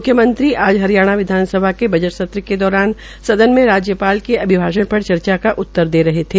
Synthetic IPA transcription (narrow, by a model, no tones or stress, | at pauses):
mʊkʰːjəmə̃nt̪ɾiʔaːd͡ʒɦɐɾijaːɽ̃aʋɪd̪ʱaːnsəbʱakebʱɐd͡ʒəʈsɐt̪ɾəked̪ɔːɾaːn | sɐd̪ənmẽɾaːd͡ʒjəpaːlkeɐbʱɪbʱaːʃəɽpɐɽt͡ʃɐɾt͡ʃakaʔʊt̪ːəɾd̪eːɾɐɦet̪ʰeː